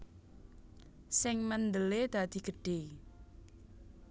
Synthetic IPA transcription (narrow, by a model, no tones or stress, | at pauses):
sɪŋmənd̪əled̪̥a̤d̪̥i̤ɡ̥ə̤ɖ̥e